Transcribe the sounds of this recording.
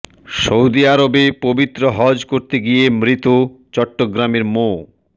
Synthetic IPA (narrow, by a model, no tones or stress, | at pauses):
ʃowd̪iaɾobepobit̪ːɾoɦɔd͡ʑkoɾt̪eɡijemɾit̪ut͡ɕɔʈːoɡɾameɾmo